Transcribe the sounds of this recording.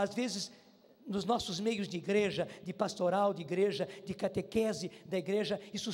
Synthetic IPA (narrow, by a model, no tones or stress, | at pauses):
azvezɪz | nʊznɔsʊzmejʊzd̪ɪiɡɾeʒɐd̪ɪpast̪oɾawd̪ɪiɡɾeʒɐd̪ɪkat̪ekɛzɪd̪ɐiɡɾeʒɐisʊ